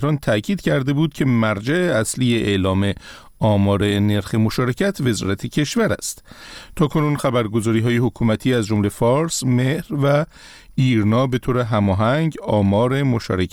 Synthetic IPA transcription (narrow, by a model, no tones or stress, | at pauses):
ɾɒːnt̪ʰæcʰiːd̪̥cʰæɾd̪e̞buːd̪̚cʰe̞mæɾd͡ʒæeæsliːjeʔeʔlɒːme̞ | ɒːmɒːɾe̞ne̞ɾxe̞mo̞ʃɒːɾe̞cʰæt̪ʰve̞zɒ̰ːɾæt̪ʰecʰe̞ʃvæɾæ̰st̪t̪ʰɒːkʰo̞nunxæbæɾɡo̞zɒːɾiːɦɒːje̞hokʰuːmæt̪ʰiːæzd͡ʒo̞mle̞fɒːɾsme̞hɾvæ | iːɾnɒːbe̞t̪ʰoːɾe̞ɦæmɒːɦæŋɟɒːmɒːɾe̞mo̞ʃɒ̰ːɾekʰ